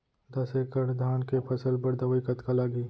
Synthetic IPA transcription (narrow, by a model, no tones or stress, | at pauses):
d̪ɐsekəʈd̪ʱaːnkepʰɐsəlbɐɾd̪ɐʋikɐt̪kalaːɡiː